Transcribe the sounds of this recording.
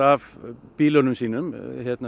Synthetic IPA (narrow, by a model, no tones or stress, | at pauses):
ɑːʋb̥iːlɔnəmsiːnəmheːt̪n